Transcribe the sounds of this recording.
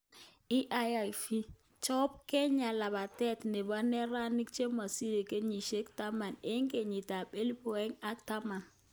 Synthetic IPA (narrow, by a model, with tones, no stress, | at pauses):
i˦ʔa˦ja˨jfi˦ | t͡ʃo˦p̚ke˦ɲa˨la˨ba˨tɛ˦˨tne˨ba˦ne˦ɾa˦ni˦k̚t͡ʃe˦ma˨si˦ɾe˨ke˦ɲi˨ʃe˦kta˦ma˨ne˦ŋke˨ɲi˨ta˨ɓe˦lpo˨e˦ŋa˦k̚ta˦ma˨n